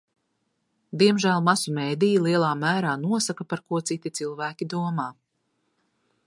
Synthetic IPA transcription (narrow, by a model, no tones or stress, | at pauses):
d̪iɛmʒæːlˠmasumɛjd̪ijilˠiɛlˠaːmæːɾaːnuɔsakapaɾkuɔt̪sit̪it̪silˠvæːkʲid̪uɔmaː